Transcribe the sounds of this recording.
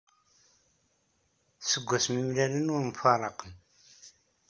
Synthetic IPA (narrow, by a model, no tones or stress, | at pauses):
səɡʷːæsmimlælənʊɾmfɑɾˤəqəm